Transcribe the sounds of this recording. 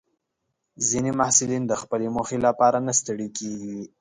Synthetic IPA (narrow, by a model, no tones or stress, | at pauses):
zinimahsɪlind̪əxpəlemoxelapɑɾanast̪əɽikeɡi